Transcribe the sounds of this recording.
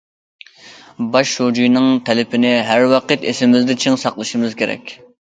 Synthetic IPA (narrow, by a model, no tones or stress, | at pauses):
bɑʃːod͡ʒujnɪŋt̪ʰɛlɪpʰɪnɪɦæɾwɑqʰət̪esɪmɪzd̪ɪt͡ʃʰiŋsɑqlˠɨʃimɨzkʲʰeɾɛ̰kʲ